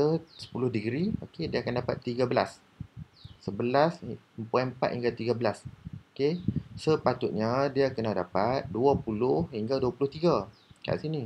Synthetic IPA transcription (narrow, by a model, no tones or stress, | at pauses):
əsə̥pulʊhdəɡɾiokediaakandapa̰t̪ːiɡabəla̰sː | əbəlas | mpuɛnmpa̰ʔ̪hiŋɡat̪iɡabəlasokesəpat̪ʊt̪̚ɲadiakənadapat̪̚duapulʊhhiŋɡaduapulʊht̪iɡa | ka̰ʔsini